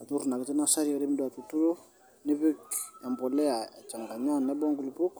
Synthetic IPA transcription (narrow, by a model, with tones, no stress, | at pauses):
a˨tu˦ɾu˨na˨ki˨tɛ˦na˦sa˦ɾi˦a˨ɾɛ˦mi˦da˨tu˨tu˦ɾo˦ | nɛ˦be˦ka˨mbɔ˨lɛ˦a˨t͡ʃa˨ŋ˨ka˨ɲa˦˨nɛ˦bɔ˦ŋɡu˨li˨pu˦k